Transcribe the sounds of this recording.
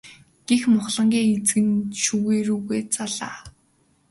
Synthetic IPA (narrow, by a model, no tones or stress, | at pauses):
ɡ̥exmʊχɮə̆ŋɡʲiːŋet͡sɡɘ̆nʃuɣeːɾuːɣeːt͡saɮa̰ː